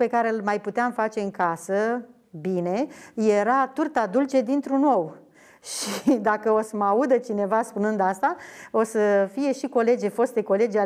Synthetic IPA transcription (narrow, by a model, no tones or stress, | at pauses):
pe̞kaɾelmajput̪eamfat͡ʃe̞ɨŋkasə | bine̞je̞ɾat̪urt̪ad̪ult͡ʃe̞d̪int̪ɾuno̞w | ʃid̪akəo̞səmaud̪ət͡ʃine̞vaspunɨnd̪ast̪ao̞səfije̞ʃiko̞le̞d͡ʒefo̞st̪eko̞le̞d͡ʒa